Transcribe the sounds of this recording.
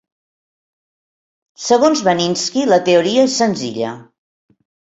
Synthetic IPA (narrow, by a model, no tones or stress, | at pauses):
səɣ̞onzβəninskilət̪euɾiəesːənzḭʎə̰